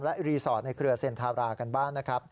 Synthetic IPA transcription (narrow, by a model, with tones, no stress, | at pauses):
lɛ˦˥ʔɾiː˧sɔː˩˦t̪̚na˧jkʰɾɯ˧ɐse˧˩nt̪ʰaː˧ɾaː˧ka˧nbaː˥˩ŋna˦˥kʰɾa˦˥p̚